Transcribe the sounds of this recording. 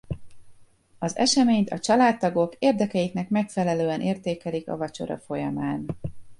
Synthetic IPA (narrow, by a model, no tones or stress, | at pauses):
ɒzɛ̰ʃɛmeːɲt̪ɒt͡ʃɒlaːt̪ːɒɡo̞keːrd̪ɛkɛjiknɛkmɛkfɛlɛløːɛnʔeːrt̪eːkɛlikɒ̰vɒt͡ʃo̞̰ɾɒ̰fo̞jɒmaːn